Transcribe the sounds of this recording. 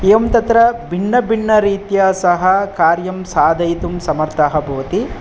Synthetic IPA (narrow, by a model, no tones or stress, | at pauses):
eːʋɐmt̪ɐt̪ɾɐbʱiɳːɐbʱiɳːɐɾiːt̪jaːsɐɦɐkaːɾjɐmsaːd̪ʱɐjt̪umsɐmɐɾt̪ʰɐɦɐ̆bʱɐʋɐt̪i